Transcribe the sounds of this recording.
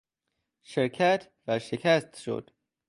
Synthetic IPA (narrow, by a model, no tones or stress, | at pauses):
ʃeɾkʰæt̪ʰ | væɾʃekʰæst̪ʃo̰d̪̥